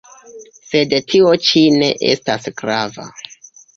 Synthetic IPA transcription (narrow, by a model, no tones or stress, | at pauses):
se̞dtʰio̞t͡ʃine̞̰ʔḛstasɡ̥ɾava̰